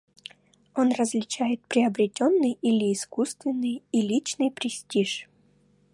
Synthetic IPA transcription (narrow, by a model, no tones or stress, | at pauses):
onrəzʲlʲɪt͡ɕæjɪt̪̚pɾʲɪɐbɾʲɪtʲonːɨjilʲɪːskust̪vʲɪnːɨjilʲit͡ɕnɨjpɾʲɪsʲtʲiʂ